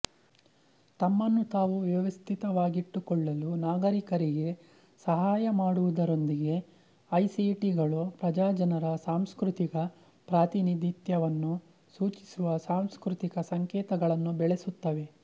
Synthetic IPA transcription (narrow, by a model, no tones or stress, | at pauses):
t̪ɐmːɐnːut̪aːʋuʋjɐʋɐst̪ʰit̪ɐʋaːɡiʈːukɔɭːɐlunaːɡɐɾikɐɾiɡe̞ | sɐɦaːjɐmaːɽuʋud̪ɐɾo̞nd̪iɡe̞ | ɐjsiʈiɡɐɭupɾɐd͡ʒaːd͡ʒɐnɐɾɐsaːmskɾut̪ikɐ | pɾaːt̪inid̪ʱit̪jɐʋɐnːu | suːt͡ʃi̥suʋɐsaːmskɾut̪ikɐsɐŋkɛːt̪ɐɡɐɭɐnːubɛɭe̞sut̪ːɐʋe̞